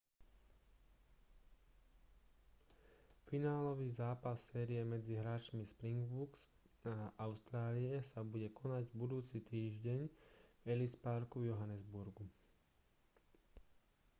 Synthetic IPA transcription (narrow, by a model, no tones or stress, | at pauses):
finaːlɔʋiːzaːpasːɛːɾiɛmɛd͡ziɦɾaːt͡ʃmispɾiŋɡbuks | aʔaʊst̪ɾaːliɛsabuɟɛkɔnaɟbud̪uːt͡sit̪iːʒɟɛɲɛlispaɾkuvjɔɦanɛzbuɾɡu